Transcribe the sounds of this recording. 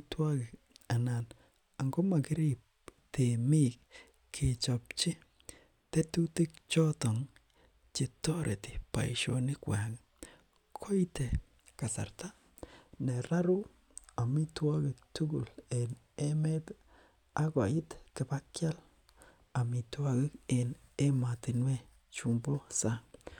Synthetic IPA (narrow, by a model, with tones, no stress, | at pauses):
twɔ˦kɪ˨k | a˨na˨n | a˨ŋɡo˦ma˨kɪ˦ɾi˦p̚te˨mi˦k | kʰːi˨t͡ʃɔ˨p̚t͡ʃi˦ | te˦tu˦ti˦k̚t͡ʃɔ˦tɔ˨ŋ | t͡ʃi˨tːɔ˦ɾḛ˨ti˨pa̰˨i˨ʃo˨nɪ˦kwa˨ŋ | kʰo˦i˦te˨ | ka˨sa̰˨ɾta˦ | ne˨ɾa˦ɾu˦ | a˨mi˦twa˦ɡɪ˨k̚tu˦ɡṵ˨le˨n | e˦me˦t | a˦ko˨i˦tkɪ˨ba˦kja˦l | a˨mi˨twa˦ɡɪ˦ke˨ne˦ma˨ti˨nwe˦ | t͡ʃu˨mbo˦sa˦ŋ